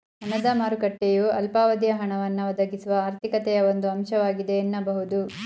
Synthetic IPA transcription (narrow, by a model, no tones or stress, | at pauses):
ɦɐnɐd̪ɐmaːɾukɐʈːejuɐlpaːʋɐd̪jɐɦɐɳɐʋɐnːɐʋɐd̪ɐɡisuʋɐaːɾt̪ʰikɐt̪ɛjɐo̞nd̪uɐmʃɐʋaːɡid̪eːnːɐbɐɦud̪u